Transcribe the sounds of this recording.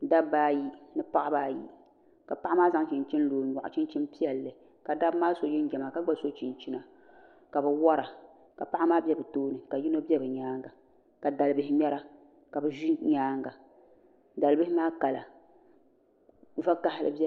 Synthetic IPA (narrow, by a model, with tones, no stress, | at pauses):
da˦bːaː˦ji˦nɨ˦pa˦ʔa˦baː˦jḭ˦ | ka˨pa˦ʔa˦maː˦za˦ŋ˦t͡ʃɪ˨nt͡ʃi˦n˦loː˨˦ɲɔ˨ʔʊ̰˨t͡ʃi˦nt͡ʃi˦npi˦ɛ˨lːɨ˨ | ka˨da˦bmaː˦so˨jɪ˦n˦ɡʲɛ˨ma˨ka˦ɡ͡ba˦so˦t͡ʃi˨nt͡ʃi˦na˨ | ka˨bɛ˨wɔ˦ɾa˨ | ka˨pa˦ʔa˦maː˦bɛ˦bɨ˨toː˦nɨ˨ka˨ji˦no˦bɛ˦bɨ˨ɲaː˦ŋɡa˨ | ka˨da˨lɨ˨bɨ˦hɪ˦mɛ˦ɾa˦ | ka˨bɨ˨ʒi˦ɲaː˦ŋɡa˨ | da˨lbɨ˦hɪ˦maː˦ka˨la̰˨ | va˦ka˦hɪ˦lɨ̰˨bɛ˦